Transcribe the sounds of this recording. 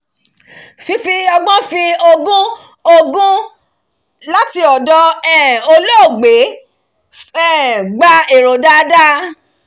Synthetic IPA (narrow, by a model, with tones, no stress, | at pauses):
fi˧˦fi˧ɔ˧ɡ͡bɔ̃˦fi˧o˧ɡũ˦ | o˧ɡũ˦ | la˦ti˧ɔ˨dɔ˧ɛ˨o˧lo˦o˦˨ɡ͡be˨˦ | ɛ˦˨ɡ͡ba˧e˨ɾo˨da˦da˦